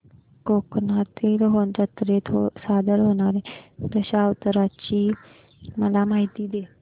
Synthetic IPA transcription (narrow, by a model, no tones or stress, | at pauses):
koːknat̪ilɦoːnt̪ət̪ɾet̪ʰosaːd̪əlɦoːnaːɾẽɾəɕaːət̪əɾat͡ɕiː | məlamaːɦit̪iːd̪eː